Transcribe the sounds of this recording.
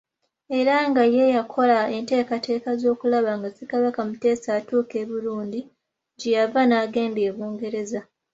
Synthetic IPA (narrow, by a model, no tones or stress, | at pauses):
e̞ɾaŋɡajejakʰo̞lae̞nte̞ːkate̞ːkazo̞ːkulaβaŋɡasikaβakamute̞ːsaːtuːke̞ːβuluːndi | ɟejavanaːɡe̞ːnde̞ːβoːŋɡe̞ɾe̞za